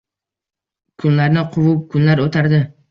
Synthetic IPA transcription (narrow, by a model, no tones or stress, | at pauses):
kʰʊnlaɾnɪqʰʊvʊp̚kʰʊnlaɾot̪ʰaɾd̪ɪ